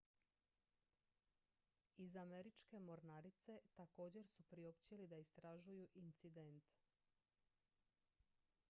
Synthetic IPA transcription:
izame̞ɾit͡ʃke̞mo̞ɾnaɾit̪se̞t̪ako̞ːd͡ʑe̞ɾsupɾio̞pt͡ɕelid̪aist̪ɾaʒujuʔint̪sid̪ent̪

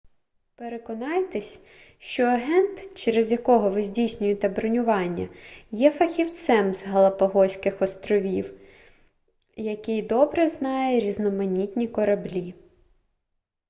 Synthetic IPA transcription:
peɾekɔnɑjt̪esʲ | ʃt͡ʃɔɐɦɛnt̪t͡ʃɛɾezjɐkɔɦɔʋɪzʲdʲijsʲnʲʊjet̪ɛbɾɔnʲʊʋɑnʲːɐ̰jɛfɐxʲiwt̪sɛmzɦɐlˠɐpɐɦɔsʲkɪxɔst̪ɾɔʋʲiw | jɐkɪjd̪ɔbɾɛznɑjɛɾʲiznɔmɐnʲit̪ʲnʲikɔɾɐblʲi

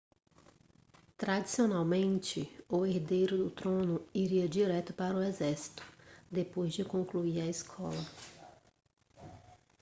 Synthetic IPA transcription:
t̪ɾad͡ʒisionawmẽnt͡ʃɪʊeɾd̪ejɾʊd̪ʊt̪ɾõnʊiɾiɐd͡ʒiɾɛt̪ʊpaɾʊezɛɾsi̥t̪ʊ̥d̪epojzd͡ʒɪkõŋkluiɾɐiskʰɔ̰lɐ

